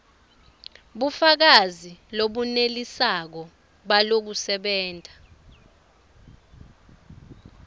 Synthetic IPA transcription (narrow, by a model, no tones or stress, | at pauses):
ɓufak̬aziloɓunelisak̬ɔ | ɓalok̬usɛɓɛːntʼa